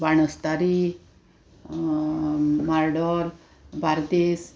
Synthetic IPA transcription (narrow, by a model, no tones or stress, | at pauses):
baɳ̃əst̪aɾi | maɾɖɔɾ | baɾd̪es